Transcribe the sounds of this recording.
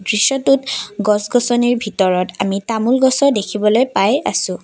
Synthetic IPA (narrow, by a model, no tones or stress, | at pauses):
dɹiʃɔtutɡɔsɡɔsɔniɹbʱitɔɹɔtamitamulɡɔsɔdekʰibɔlojpaja̰sʊ̃